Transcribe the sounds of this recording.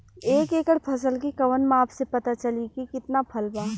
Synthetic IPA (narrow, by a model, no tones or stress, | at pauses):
eːkeːkəɽpʰɐs̬əlkikɐʋənmẽaːpsepɐt̪at͡ʃɐlikikɪt̪napʰɐlbaː